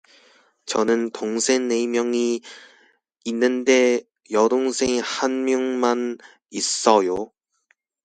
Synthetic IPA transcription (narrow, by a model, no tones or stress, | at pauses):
t͡ɕʌnɯntoŋsʰe̞nːe̞imjʌŋi | inːɯnde̞ | jʌdoŋsʰe̞ŋihanmjuŋman | is͈ʌjo